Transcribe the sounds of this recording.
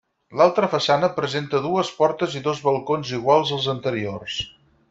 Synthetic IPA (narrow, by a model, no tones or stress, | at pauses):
lalˠt̪ɾəfəsanəpɾəzent̪əðuəspɔɾt̪əziðozβəlˠkonziɣ̞walˠzəlˠzənt̪əɾiors